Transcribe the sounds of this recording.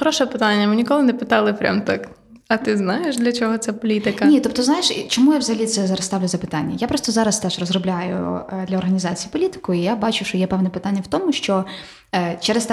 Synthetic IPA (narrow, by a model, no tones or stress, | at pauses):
xɾɔʃɛpɪt̪anʲːɐmɪnʲikɔlˠɪnɛpɪt̪ɑlˠɪpɾʲa̰mt̪ak | ɐt̪ɪznɑjeʃd̪lʲɐt͡ʃɔɦɔt̪sɛpɔlʲit̪ɪkɐnʲit̪ɔp̚t̪ɔznajeʃt͡ʃɔmujawzɐɦɐlʲit̪sɛzɑɾɐst̪ɑwlʲʊzɐpɪt̪anʲːɐ̰japɾɔst̪ɔzɑɾɐst̪ɛʒrɔzrɔblʲajʊ̰d̪lʲɐɔrɦɐnʲizɑt͡sʲijipɔlʲit̪ɪ̥kʊijabɑt͡ʃʊʃt͡ʃɔjɛpɛwnɛpɪt̪anʲːɐwt̪ɔmʊʃt͡ʃɔ | t͡ʃɛɾɛst̪